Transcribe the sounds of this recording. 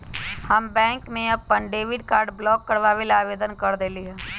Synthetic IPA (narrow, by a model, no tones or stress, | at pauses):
həmbɛ̃ːŋkmẽɐb̚pə̃ɳɖeːʋɪɖkaːɾɖblɔːkːəɾʋaʋelaːʋeːd̪ənkəɾd̪eːlieː